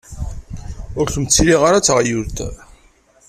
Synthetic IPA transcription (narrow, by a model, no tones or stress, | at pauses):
ʊɾçəmt͡sːiliʁaɾat͡sːʁjuɾt̪